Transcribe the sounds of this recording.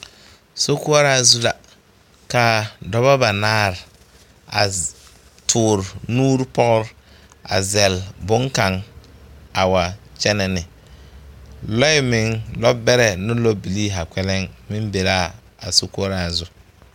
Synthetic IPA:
so˦ku˦ɔ˦ɾa˦˨zʊ˦la˨ | ka˨dɔ˦βa˦ba˨naː˦ɾ | a̰˨ | tʰʊː˨ɾnuː˦ɾpɔ˦ɣʊ˦ɾ | a̰˨zɛ˨lbʊ˦ŋka˨ŋ | a˨wa˨t͡ʃɛ˦nɛ˨nɪ˨ | lɔ˦ɪ˦mɪ˨ŋlɔ˦bɛ˦ɾɛ˨nʊ˦loɔ˦bi˨liː˦ɦa˨kʷɛ˦lɛ˦ŋmɪ˦mbe˨laː˦ | a̰˨so˦ku˦ɔ˦ɾa˨zʊ˦

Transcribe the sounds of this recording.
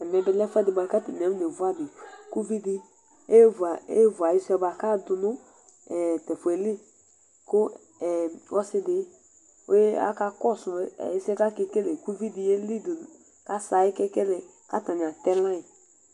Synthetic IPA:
ɛ˨mɛ˨bɛ˨lɛ˦fɛ˦dɪ˨ba˨˦ka˦ti˨nɛ˨˦m˦de˨vu˨˦a˦bi˨ku˦vi˦di˧ | e˦va˨ḛ˦vu˨a˨ji˦sɛ˧˦ba˨ka˦dʊ˨nʊ˦ | ɛ˨tɛ˨fe˨li˦ | kʊ˦ | ɛ˨ɔ˦sɪ˦dɪ˦ | o̰˦je˦a̰˦ka˦kɔ˦˨sʊ̰˨i˦sɛ˦ka˦ke˧ke˦le˨ku˦vi˦di˨je˦li˦˨du˨ | ka˦sa˨i˦kɛ˦kɛ˦lɛ˨ | ka˦˨ta˨ɲ˨a˨tɛ˦lã˦i˨

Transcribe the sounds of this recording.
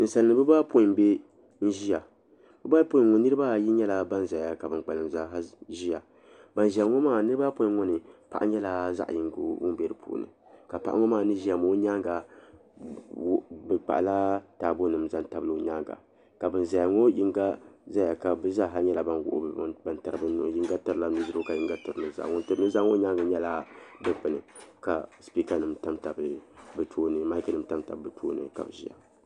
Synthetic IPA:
n̩˨sa˨lnɨ˨bɨ˦ba˦po˦i˨mbe˦ | n̩˦ʒi˦ja˨ | bɨ˦ba˦po˦i˨ŋo˦nɨ˦ɾɨ˦ba˦˨ji˦ɲɛ˦la˨ba˦nza˨a˦ka˨bɨ˨ŋk͡pa˨lɨ˨mza˦ɦa˦ʒi˦a˨ | ba˨nʒa˨ŋɔ˦maː˦˨nɨ˦ɾɨ˦ba˦po˦i˨˦ŋo˦nɨ˨pa˨ʔa̰˦ɲɛ˦la˦za̰˦ʔji˨ŋ˦ɡo̰˦wʊ̰˦m˦bɛ˨ɾɨ˨pʰṵ˨nɨ̰˨ | ka˨pa̰˨ʔa˦ŋɔ˦maː˦˨nɨ˦ʒi˦a˨mo˦ɲa˦ŋɡa˨˦ | bɨ˨k͡pa̰˨ʔla˦ta˨bo˦nɨ˨˦mza˦nta˨bɨ˦lo˦ɲa˦ŋɡa̰˨ | ka˨bɨ˨nza˨ja˨ŋo˦ji˦ŋɡa˦za˦ja˨ka˨bɨ˦za˦˨ɦa˦ɲɛ˦la˨ba˦nwʊ̰˨ʔba˨nta˨ɾɨ˨bji˦ŋɡa˦tɨ˨ɾɨ˨la˦nɨ˦zɨ˨˦ɾo˦ka˨ji˦ŋɡa˦tɨ˨ɾɨ˨nɨ˦za̰˨ŋo˦ntɨ˨ɾɨ˦nɨ˦za˦ŋo˦ɲa˦ŋɡa˨ɲɛ˦la˦dɨ˦k͡pɨ˨nɨ̰˨ka̰˨spi˦ka˦nɨ˨mta˦mta˨bɨ˨˦bɨ˨tʰoː˦nɨ˨ma˦ka˦nɨ˨m˦ta˦mta̰˨bbɨ˨tʰo̰ː˦nɨ̰˨ka̰˨bɨ˨ʒi˦ja̰˨

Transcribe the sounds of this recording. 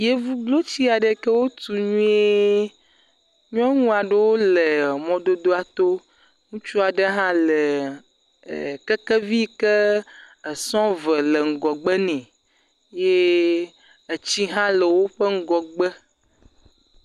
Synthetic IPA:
je˦vu˦blo˦t͡ɕi˦a˨ɖe˦kə˦wo˦t̪u˨ɲũ˦e˦ | ɲɔ̃˦ŋũ˦a˨ɖe˦wo˦le˨mɔ̃˨do˦d̪o˦a˨t̪o˦ | ŋũ˦t͡ʃu˦a˨ɖə˦ɦã˦le˨ | kə˦kə˦vi˦kə˦ | ə˨sɔ̃˦və˨lə˨ŋ̩˨ɡɔ˨ɡ͡bə˦nɛ̃˨ | je˦ | e˨t͡ɕi˦ɦã˦lə˨wo˦ɸə˦ŋ̩˦ɡɔ˨ɡ͡bə˦

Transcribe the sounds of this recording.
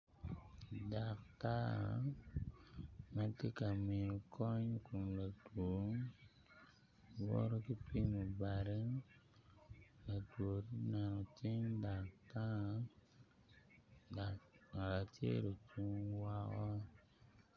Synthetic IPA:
da˨kta̰˦˨ | ma˦te˦ka˨mɪ˨ʊ˨kʰɔ˦ɲ˦ku˨mla˨to˨˦ŋ | wɔ̰˦ɾɔ˦ki˦pi˦mɔ˨ba˨ɾɪ˦ŋ | la˨two˨ti˦na˨nɔ˨ti˦ŋda˨kta˦˨ | a˨a˨tjḛ˦ɾo˨t͡ʃu˦ŋwa˦kɔ˦

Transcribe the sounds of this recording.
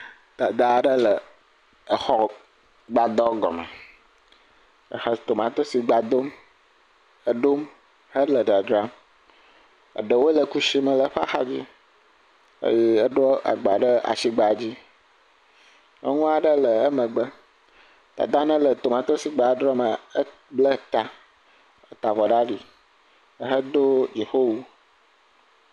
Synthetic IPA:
t̪a˨d̪a˦˨ɖə˦lə˨ | ə˨xɔ˦ | ɡ͡ba˨d̪ɔ˦ɡɔ̰˨mə̰˨ | ə˨xə˦t̪o˨mã˨t̪o˦si˨ɡ͡ba˨d̪o˦m | ə˦ɖo˦m | hə˦lə˨ɖa˨dɾa˦ | ə̰˨ɖə˨wo˦lə˨ku˦ʃi˦mə̃˨lə˨ɸa̰˦xa̰˦d͡ʑḭ˦ | ə̰˦ji˦ə˦ɖo˦a̰˨ɡ͡ba˨ɖə˦a̰˨si˦ɡ͡ba˨d͡ʑi˦ | ə̰˦ŋũ˦a˨ɖə˦lə˨ə˦mə̃˨ɡ͡bə˦ | t̪a̰˨d̪ã˦nə̃˦lə˨t̪o˨mã˨t̪ɾo˦si˦ɡ͡ba˨˦ɖɾɔ˦mə˨ə˦ | blə˦t̪a˨ | ə˦t̪a˨vɔ˨ɖa˦ɖi˨˦ | ɦə˦d̪o˦d͡ʒe˨ho˦wu˦

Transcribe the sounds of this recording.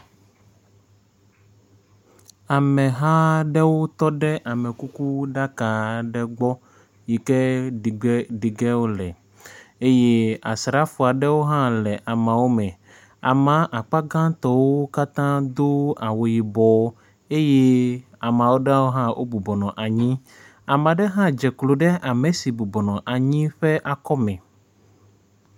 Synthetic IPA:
a˨mɛ̃˨ɦã˦ɖɛ˦wo˦t̪ɔ˦ɖɛ˦ʔa˨mɛ˨ku˦ku˦ɖa˦ka˨ɖɛ˦ɡ͡bɔ˦ | ji˨kɛ˦˨˦ | ɖi˨ɡɛ˦wo˦lɛ˨ | e˦je˦a˨sɾa˦fu˨a˨ɖɛ˦wo˦ɦã˦lɛ˨ʔa˨mã˨wo˦mɛ̃˨ | a˨mã˨ʔa˨k͡pa˦ɡã˦t̪ɔ˦wo˦ka˦t̪ã˦d̪o˦a˨wo˨ji˨bɔ˨˦ | e˦je˦ | a˨mã˨wo˦ɖa˦wo˦ɦã˦wʔo̰˦bu˨bɔ˨nɔ̃˨ʔa˨ɲĩ˦ | a˨mã˨ɖɛ˦ɦã˦d͡ʒɛ˨klo˨ɖɛ˦ʔa˨me˨si˨bu˨bɔ˨nɔ̃˨ʔa˨ɲĩ˦ɸɛ˦ʔa˨kɔ˦mɛ̃˨

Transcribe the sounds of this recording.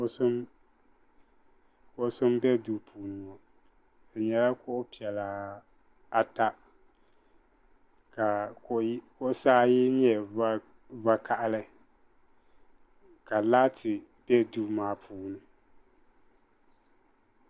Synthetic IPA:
sm | kʊ˦ʔsʊ˦m˦bɛ˦du˦pʰuː˨nɨ˨ɔ˨ | dɨ˨ɲɛ˨la˦kʊ˦ʔʊ˦pi˨ɛ˨la˨ | a˨ta˦ | ka˨˦ | kʊ˦ʔsaː˦jɪ˦ɲɛ˨˦ | va˦kʰa˦˨ʔa˦lɨ˦ | ka˨laː˦tʰɪ˨b̥ɛ˦du˦maː˨˦pʰuː˨˦nɨ˨

